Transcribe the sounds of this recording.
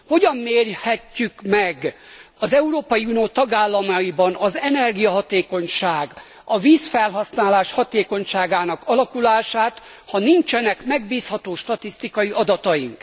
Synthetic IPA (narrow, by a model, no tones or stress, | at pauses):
ho̞ɟɒmːeːrhɛcːykmɛɡ | ɒzɛuɾoːpɒjiunijoːt̪ɒɡaːlːɒmɒjibɒnɒzɛnɛrɡijɒɦɒt̪eːko̞ɲʃaːɡ | ɒviːsfɛlɦɒsnaːlaːʃhɒt̪eːko̞ɲʃaːɡaːnɒkɒlɒkulaːʃaːt̪ | hɒniɲt͡ʃɛnɛkmɛɡ̚biːshɒt̪oːʃt̪ɒt̪ist̪ikɒjiʔɒd̪ɒt̪ɒjḭŋk